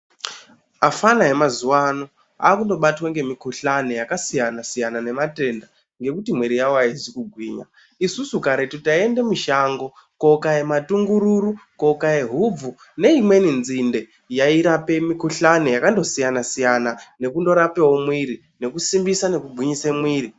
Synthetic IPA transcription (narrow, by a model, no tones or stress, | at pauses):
afanaɦe̞mazuwano | a̰ːkundo̞ɓatwaŋɡe̞mikuɬanejakasijanasijanane̞mate̞nda | ŋɡe̞kutimweɾijawoaizikuɡʱwiːɲa̰ | isusukaɾetutaiende̞muʃaŋɡo̞ | ko̞kaematuŋɡuɾuɾuko̞kaje̞ɦub͡vu | ne̞imwe̞ninzinde̞ | jaiɾape̞mikuɬanejakando̞sijanasijanane̞kundo̞ɾape̞wo̞mwiɾi | ne̞kusimbisane̞kubʱwiɲisemwiːri